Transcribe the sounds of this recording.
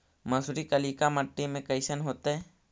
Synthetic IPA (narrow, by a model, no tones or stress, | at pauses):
məsʊɾikəliːkaməʈːimẽkəɪsənɦoːt̪eɦɛ